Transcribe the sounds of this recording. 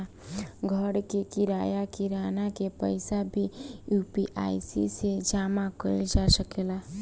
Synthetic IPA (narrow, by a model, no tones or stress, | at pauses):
ɡʱəɽkekiɾajakiɾanakepəɪsabʱijupiʔa̰jsḭsed͡ʒamakəɪld͡ʒasəkela